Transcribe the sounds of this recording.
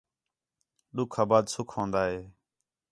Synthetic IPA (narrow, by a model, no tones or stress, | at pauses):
ɗʊkʰaːbaːd̪sʊkʰõːnd̪aːɦeː